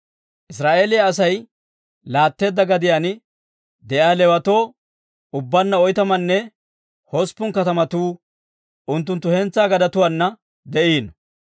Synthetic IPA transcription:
ʔɪsɾaːʔe̞ːlɪjaːs̬ɐj | laːt̪ːe̞ːd̪ːɐɡɐd̪ɪjaːnɪ | d̪ɛʔaːlɛwɐt̪o̞ː | ʊbːɐnːɐɔjt̪ɐmɐnːɛ | hɔspːʊŋkɐt̪ɐmɐt̪uː | ʔʊnt̪ːʊnt̪ːʊhɛnt͡sːaːɡɐd̪ɐt̪ʊwanːɐ | d̪ɛʔiːn

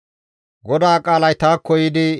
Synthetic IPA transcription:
ɡɔd̪aːkʼaːlɐjt̪aːkːɔjɪd̪ɪ

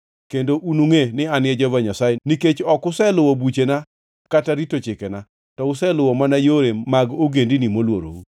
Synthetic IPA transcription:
kendoʔunuŋenɪanɪɛd͡ʒɔvaɲasajeniket͡ʃɔkʊsɛlʊwɔbut͡ʃena | kataɾitot͡ʃɪkɛna | tɔʊsɛlʊwɔmanajoɾemaɡoɡendinimolwoɾo̰u

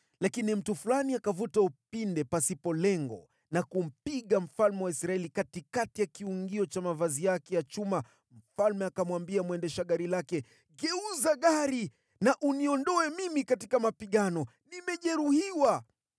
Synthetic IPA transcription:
lakinim̩tufulaniakavutaupindɛpasipɔlɛŋɡɔ̰ | nakum̩piɠam̩falmɛwaisɾaɛlikatikatijakiuŋɡiɔt͡ʃamavazijakɛjat͡ʃuma | m̩falmɛakamwambiamwɛndɛʃaɠaɾilakɛ | ɡɛuzaɠaɾi | naʔuniɔndɔɛmimikatikamapiɠanɔ | nimɛʄɛɾuhiwa

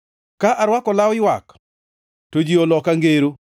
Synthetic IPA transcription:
kaʔaɾwakɔlawɪwak | tod͡ʒiolɔkaŋɡeɾu

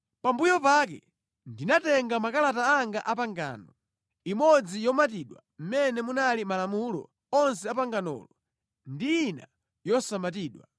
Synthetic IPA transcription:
pambujɔpakɛ̰ | ndinatɛŋɡamakalataaŋɡaʔapaŋɡa̰ːnɔ | imɔd͡zijɔmat̬iɗwa | m̩mɛnɛmunalimalamulɔ̰ | ɔnsɛapaŋɡanɔ̰ːlɔ | ndiina | jɔsamat̬iːɗwa

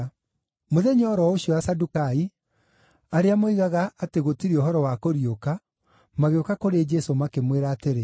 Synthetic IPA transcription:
moðɛɲɔːɾɔoɕiɔasadukai | aɾeamoiɣaɣaːteɣotiɾeoɦɔɾɔwakoɾioka | maɣeokakoɾed͡ʒɛsomakemweɾaːteɾe

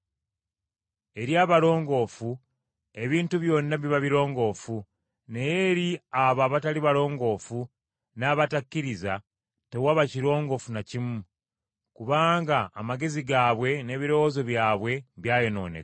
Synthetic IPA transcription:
e̞ɾjaːβalo̞ːŋɡo̞ːfu | e̞βiːntuβjo̞ːnːaβiβaβiɾo̞ːŋɡo̞ːfu | ne̞jeɾiaβaːβataliβalo̞ːŋɡo̞ːfu | naːβatakːiɾiza | te̞waβaciɾo̞ːŋɡo̞funacimu | kuβaːŋɡaːmaɡe̞ziɡaːβwe̞ne̞ːβiɾo̞wozo̞βjaːβwe̞βjaːjo̞no̞̰ːne̞̰

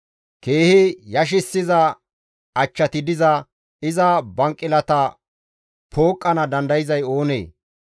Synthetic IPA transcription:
ke̞ːhɪjɐʃ̬ɪsːɪzɐ | ɐt͡ʃːɐt̪ɪd̪ɪzɐ | ɪzɐbɐŋkʼːɪlɐt̪ɐ | pʰo̞ːkʼːɐnɐd̪ɐnd̪ɐjɪzɐjo̞ːnḛː

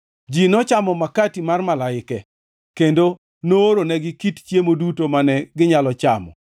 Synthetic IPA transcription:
d͡ʒinɔt͡ʃamɔmakatimarmalaɪkɛ | kendo | noːɾonɛɡɪkitt͡ʃjemodutomanɛɡɪɲalɔt͡ʃamɔ̰

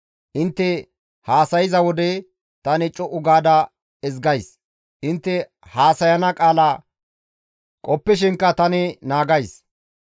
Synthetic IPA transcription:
ʔɪnt̪ːɛ | haːsɐjɪzɐwɔd̪ɛ | t̪ɐnɪt͡ʃʼːɔʔʊɡaːd̪ɐ | ɛzɡɐjs | ʔɪnt̪ːɛ | haːsɐjɐnɐkʼaːlaː | kʼɔpːɪʃ̬ɪŋkːɐt̪ɐnɪnaːɡɐjs

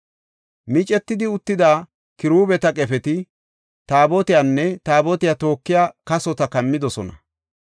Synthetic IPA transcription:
mɪt͡ʃʼɛt̪ːɪd̪ɪʊt̪ːɪd̪aː | kɪɾuːbɛt̪ɐkʼɛfɛt̪ɪ | t̪aːbɔt̪ɪjanːɛt̪aːbɔt̪ɪjat̪o̞ːkːɪjaːkɐsɔt̪ɐkɐmːɪd̪ɔsɔnɐ

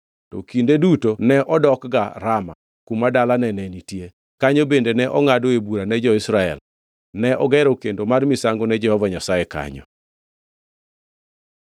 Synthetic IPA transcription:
tɔ̰kindedutonɛʔɔdɔkɡaɾama̰ | kumadalanɛnɛnitje | kaɲobendenɛʔɔŋadoebuɾanɛd͡ʒɔɪsɾaɛ̰l | nɛʔɔɡɛɾɔkendomarmisaŋɡonɛd͡ʒɛhɔvaɲasajeka̰ɲɔ̰

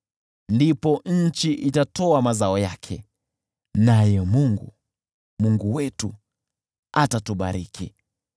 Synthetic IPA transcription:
ndipɔɲ̩t͡ʃiʔitatɔamazaɔjakʰɛ | najɛmuŋɡu | muŋɡuwɛtu | atatuɓa̰ɾikʰi

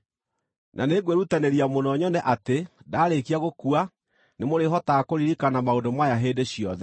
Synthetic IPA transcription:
nʔa̰neɡweɾutaneɾiamonɔɲɔnɛʔatedaːɾekiaɣokua | nemoɾeɦɔtakoɾiɾikanamaondomajaɦeːdeɕiɔðɛ

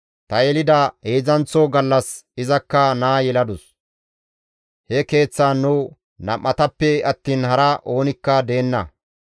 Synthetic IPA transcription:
t̪ɐjɛlɪd̪ɐheːzɐnt͡sːoɡɐlːɐsɪzɐkːɐnaːjɛlɐd̪ʊs | hɛke̞ːt͡sːaːnːʊ | nɐmːɐt̪ɐpːɛɐt̪ːiːnhɐɾɐʔo̞ːnɪkːɐd̪e̞ːnːɐ̰

